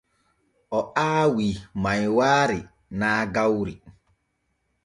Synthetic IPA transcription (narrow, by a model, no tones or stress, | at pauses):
ɔʔaːwimawaɾɪ | naɡawɾi